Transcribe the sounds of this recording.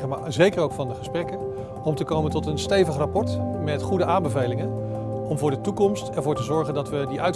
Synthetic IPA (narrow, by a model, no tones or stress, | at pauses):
əmazejkəɹowkfɑndəχəsprɛkən | ɔmtəkowməntɔtənstejvəχrapɔɹtmɛtχudəʔaːmbəvejlɪŋən | ɔmvʊːɹdətukɔmstɛɹvʊːɹtəzɔɹχəndɑtʋədiʔœɥt